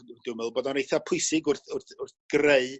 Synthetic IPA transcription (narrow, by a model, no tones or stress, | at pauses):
d̥ɪwmɛlˠboːdɔnejθapʰʊɨsɪɡʊrθʊrθʊrθɡ̥reɨ